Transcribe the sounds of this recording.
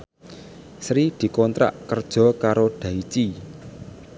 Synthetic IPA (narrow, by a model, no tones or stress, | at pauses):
sɾid̪̥i̤kɔnt̪ɾa̰ʔkərd̥ʒ̥ɔ̤kaɾoɖ̥ä̤it͡ʃi